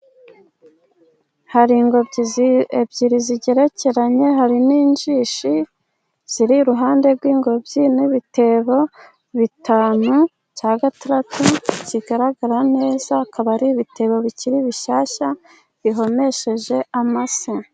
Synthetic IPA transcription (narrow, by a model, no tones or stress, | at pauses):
haɾiŋɡo | ebɟiɾiziɟe̞ɾe̞ce̞ɾaɲe̞ɦaɾiniːnʒiːʃi | z̥iɾiɾuɦaːnde̞ɾɡwiːŋɡo̞bɟiniβite̞βo̞ | βitaːnu | caːɡataɾatuciɡaɾaɡaɾane̞ːzaːkʰaβaɾiβitʰe̞βo̞βiciɾiβiʃaːʃa | βiɦo̞me̞ʃe̞ʒe̞amase